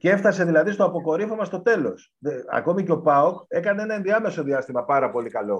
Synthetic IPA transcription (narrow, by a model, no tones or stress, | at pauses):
cee̞ft̪ɐse̞ðilɐðist̪oɐpo̞ko̞ɾifo̞mɐst̪o̞t̪e̞lo̞s | ðeɐ̰ko̞miceo̞pɐoke̞kɐnee̞nɐenðiɐme̞so̞ðiɐst̪imɐpɐɾɐpo̞likɐlo̞